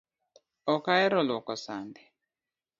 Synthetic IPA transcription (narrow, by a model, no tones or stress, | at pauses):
ɔkaɛɾɔlɔkɔsandɛ